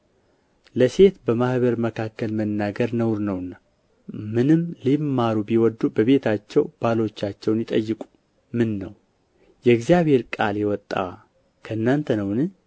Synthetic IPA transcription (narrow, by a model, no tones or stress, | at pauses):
ləse̞t̪bəmahβəɾməkʰakːəlmənːaɡəɾnəwɾnəwnːa | mɨnɨmlimːaɾubiwɔd̪ːubəβe̞t̪ʰat͡ʃːɛwb̥alo̞t͡ʃːat͡ʃːɛwnjɪt̪ʼəjːɨkʼu̥ | mɨnːəw | jɛɡzijaβe̞ɾkʼaljɛwɔt̪ʼːa̰ | kʰəɨnːant̪ʰənəwnɨ